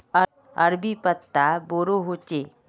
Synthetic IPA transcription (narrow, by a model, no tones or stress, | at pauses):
ə | əɾbipət̪ːaboːɾoɦot͡ʃe